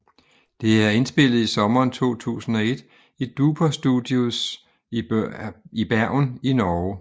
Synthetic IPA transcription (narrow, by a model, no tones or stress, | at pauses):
d̥e̝æɐe̝nsb̥e̝l̰ð̩ˠisɒ̽mɐːnt͡sʰo̝̰ːt͡sʰṵːsn̩ɒ̽e̝d̥ | id̥upʰɐsd̥ud̥ˠjus | ib̥æɐ̰ninɒː